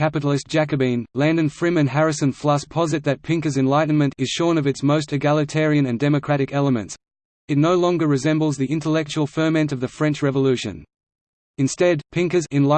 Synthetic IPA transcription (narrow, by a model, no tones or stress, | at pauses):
kæpɨɾl̩ˠɪsd̥ʒ̥æk̬ɨbĩnlæ̃ndɨ̃nfɹɪ̃mɨ̃nɦæɹɨsɨ̃nflʌspʰɑzɨt̪̚ðɨt̚pʰɪ̃ŋkə˞zɨ̃nlaɪʔn̩mɨ̃ntɨz̥ʃɔ̃ɹnʌvɨtsmoʊstɨɡælˠɨtʰɛɹiɨ̃nɨ̃ndɛmɨkʰɹ̥æɾɨkɛlˠəmɨ̰̃nts | ɨtⁿnoʊlɔ̃ŋɡə˞ɹɨzɛ̃mbl̩ˠzðiʔɪ̃ntəlɛk̚t͡ʃul̩ˠfɜ˞mɛ̃ntʌvðɨfɹɛ̃nt͡ʃɹɛvəlʉʃɨ̰̃n | ɨ̃nstɛd̚pʰɪ̃ŋkəzɪ̃nl